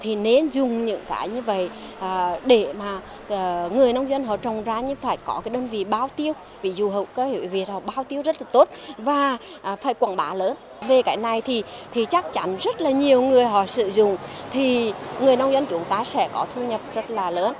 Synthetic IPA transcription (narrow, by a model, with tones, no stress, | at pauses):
t̪ʰi˨˩ne˧nzʊ˨˩ŋ͡mɲɨ̰˧˥ŋka̰ː˨˦jɲɨ˧və̰˧˨jʔaː˨˩ɗe˧˩maː˨˩˨ | ŋɨ˨˩əjna˧wŋ͡mzə˧nɦɔ̰˧˨t͡ɕə˨˩wŋ͡mzaː˧˦ɲɨ˧faː˧˩jkɔ˨˦kaː˨˦jɗəː˧nvḭ˧˨ɓaː˧wt̪i˧əw | vi˨˦zu˨ɦə̰˨˧˨wkaː˨˦hḭ˧˨vi˨˩ət̚hɔ̰˧˩ɓaː˧wt̪i˧əwzə˦˥t̚laː˨˩t̪o˦˥t̚vaː˨˩˨ | faː˧˩jkwaː˧˩nɓaː˨˦ləː˨˦n | ve˨˩kaː˨˦jna˨˩jt̪ʰi˨˩t̪ʰi˨˩t͡ɕa˦˥k̚t͡ɕa˨˦nzə˦˥t̚laː˨˩ɲi˨˩əwŋɨ˨˩əjɦɔ̰˧˨sɨ̰˧˨zʊ˨˩ŋ͡mt̪ʰi˨˩ŋɨ˨˩əjna˧wŋ͡mzə˧nt͡ɕu˨˦ŋt̪aː˨˦sɛ̰˧˥kɔ˨˦t̪ʰu˧ɲə˨˩p̚zə˦˥t̚laː˨˩ləː˨˦n